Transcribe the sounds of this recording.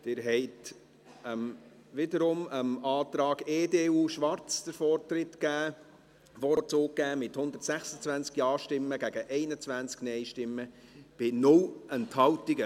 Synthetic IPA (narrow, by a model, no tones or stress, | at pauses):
d̥ɪɾɦɛɪt̪ | əm | ʋɪdəɾʊməmɑːt̪ɾɑːɡeːdeːuːʃʋɑɾt͡sd̥̪əɾfɔrtɾɪtkæː | ʋɔt͡soːkːæːmɪthʊnd̪əɾtsæχsət͡svænt͡skjɑːʃtɪmːəɡæɡəʔɛɪnət͡svænt͡sknɛɪʃtɪmːəb̥ɪnʊlənthɑwtɪɡə